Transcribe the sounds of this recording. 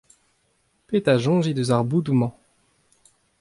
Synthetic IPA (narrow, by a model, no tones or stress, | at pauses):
pet̪aʒɔ̃ʒid̪əzaʁbud̪umɑ̃